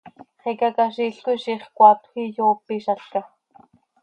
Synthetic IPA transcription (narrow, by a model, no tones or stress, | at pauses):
χikakaʃiɬkuʃiχkʷɑːt̪xijoːpiʃɑɬkɑ